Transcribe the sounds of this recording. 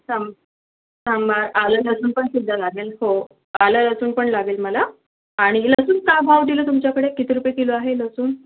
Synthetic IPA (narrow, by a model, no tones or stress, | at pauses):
sam | sambaɾalələsuːnpəɳsid̪ʱːalaɡelho | alələsuːnpəɳlaɡeːlməla | aɽ̃iləsuːnkabʱawʈilət̪umt͡ɕjakəɽekit̪iɾupjekeloaɦeləsuːn